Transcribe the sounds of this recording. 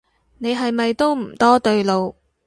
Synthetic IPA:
ne˨˧jɦɐ˨jmɐ˨jt̪o˥wm̩˨˩t̪ɔː˥t̪ɵ˧ɥlo˨w

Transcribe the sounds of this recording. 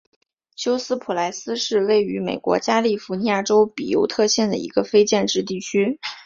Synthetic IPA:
ɕjo˥ʊsɹ̩˥pʰu˨˩la˧˥ɪsɹ̩˥ʂɻ̩˥˧we˥˩ɪy˧˥mḛ˨˩ɪkwɔ̰˧˥t͡ɕja˥li˥˩fu˧˥ni˧˥a˥˩ʈ͡ʂo˥ʊpi˨˩jo̰˧˥ʊt̪ʰɤ˥˧ɕjɛ˥˩nd̪ə̰˩ḭ˧˥ɡə˧fe˥ɪt͡ɕjɛ˥˧nʈ͡ʂɻ̩˥˧t̪̬i˥˩t͡ɕʰy˥

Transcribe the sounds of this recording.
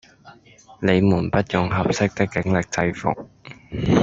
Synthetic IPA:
le˨˧jmuː˨˩npɐ˥t̚jʊ˨ŋɦɐ˨p̚sɪ˥k̚t̪ɪ˥kːɪ˨˥ŋlɪ˨k̚t͡sɐ˧jfʊ̰˨k̚

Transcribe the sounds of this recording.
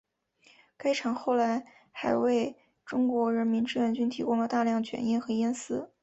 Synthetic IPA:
ka˥ɪʈ͡ʂʰɑ˨˩ŋxo˥˩ʊla˧˥ɪ | xa˧˥ɪwe˥˩ɪ | ʈ͡ʂʊ˥ŋkwɔ˧˥ɻə˧˥nmi˧˥nʈ͡ʂɻ̩˥˩ɥə˥˩nt͡ɕy˥nt̪ʰi˧˥kʊ˥ŋlə˨t̪a˥˧ljɑ˥˩ŋt͡ɕʰɥɛ̰˧˥ni˥nxɤ˧˥jɛ˥nsɹ̩˥

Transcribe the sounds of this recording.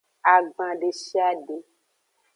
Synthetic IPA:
a˨ɡ͡bã˨ɖe˨ʃi˦a˦ɖe˨

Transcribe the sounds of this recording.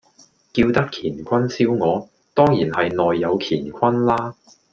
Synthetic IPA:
kiː˧wt̪ɐ˥kʰiː˨˩nkʷʰɐ˥nsiː˥wŋɔː˨˧ | t̪ɔː˥ŋjiː˨˩nhɐ˨jnɔː˨jːɐ˨˧wkʰiː˨˩nkʰɐ˥nlaː˥

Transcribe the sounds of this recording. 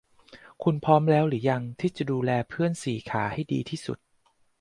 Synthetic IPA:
kʰu˧npʰɔː˦˥mlɛː˦˥wɾɯː˩˦ja˧ŋt̪ʰiː˥˩t͡ɕa˨˩duː˧lɛː˧pʰɯ˥˩ənsiː˩˦kʰaː˩˦ha˥˩jdḭː˧t̪ʰiː˥˩sṵ˨˩t̪̚

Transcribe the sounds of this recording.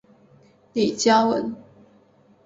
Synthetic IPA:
li˨˩t͡ɕja˥wə̰˨˦n

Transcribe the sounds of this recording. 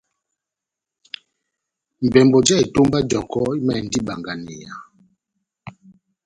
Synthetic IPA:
m̩˨bɛ˨mbɔ˨d͡ʒɛ˦˨i˨to˦mba˦d͡ʒɔ˨kɔ˦i˦mɛ˦˨n̩˦di˦ba˨ŋɡa˨nɛ̰˨a̰˨

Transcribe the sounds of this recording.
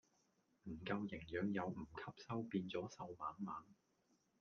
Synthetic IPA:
m̩˨˩kɐ˧wjɪ˨˩ŋjœː˨˧ŋjɐ˨˧wm̩˨˩kʰɐ˥p̚sɐ˥wpiː˧nt͡sɔː˨˥sɐ˧wmaː˨˥nmaː˨˥n

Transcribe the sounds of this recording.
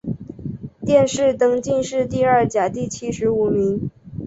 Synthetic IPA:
t̪jɛ˥˧nʂɻ̩˥˩t̪ɤ˥ŋt͡ɕi˥˧nʂɻ̩˥˧t̪i˥˧ə˞˥˩t͡ɕja˨˩t̪i˥˩t͡ɕʰi˥ʂɻ̩˧˥u˨˩mi˧˥ŋ

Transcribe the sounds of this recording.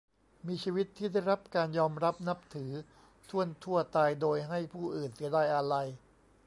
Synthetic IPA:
miː˧t͡ɕʰiː˧wi˦˥t̪ʰːiː˥˩da˥˩jɾa˦˥p̚kaː˧njɔː˧mɾa˦˥p̚na˦˥p̚t̪ʰɯː˩˦ | t̪ʰu˥˩ənt̪ʰu˥˩ɐt̪aː˧jdoː˧jɦa˥˩jpʰuː˥˩ʔɯː˨˩nsi˩˦daː˥˩jʔa˧ɾa˧j

